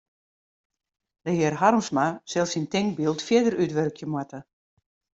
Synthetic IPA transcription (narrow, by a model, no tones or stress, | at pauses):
d̥əɦɪrɦarmsmasɛlˠsintɪŋk̚bilˠtfjɪdəɾytʋørkʰjəmwatə